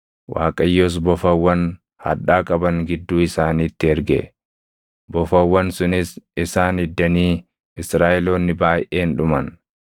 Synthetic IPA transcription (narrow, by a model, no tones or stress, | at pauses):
wʔa̰ːkʼɐjːoːs̬bɔfɐwːɐn | hɐ̰ᶑaːkʼɐbɐŋɡɪd̪ːuːɪsaːniːt̪ːɪɛɾɡɛ̰ | bɔfɐwːɐnsʊnɪsɪsaːnɪd̪ːɐniː | ɪsɾaːʔɛloːnːɪbaːjʔeːnᶑʊmɐn